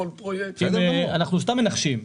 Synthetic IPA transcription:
lkemeanaχnuʃ̬t̪amːenaχʃim

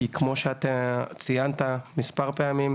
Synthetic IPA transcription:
ikmo̞ʃeat̪at͡sijant̪amispaʁpeamim

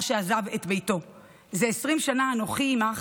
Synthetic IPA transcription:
ʃeazavetbejto̞ | zeesʁimʃanaanoχiːmaχ

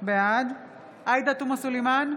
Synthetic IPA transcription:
bead̪ | ʔajd̪at̪umasulejman

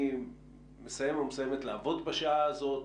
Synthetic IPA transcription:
mesaje̞momesjemet̪laːvo̞d̪baʃaaːzo̞t

